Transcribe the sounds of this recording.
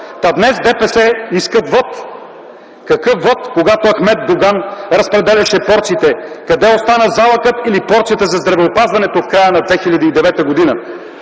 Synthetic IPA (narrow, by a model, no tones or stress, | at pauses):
t̪ad̪nɛsd̪ɛpɛsɛiskət̪vɔt̪ | kɐkɤfvɔt̪koɡat̪oɐxmɛt̪̚d̪oɡanɾɐspɾɛd̪ɛlʲɐʃɛpɔɾt̪sit̪ɛkɐd̪ɛost̪anəzalˠəkət̪ilipɔɾt̪sijət̪əzɐzd̪ɾɐvɛopazvɐnɛt̪ofkɾajənɐd̪vɛxilʲɐd̪iːd̪ɛvɛt̪əɡod̪inə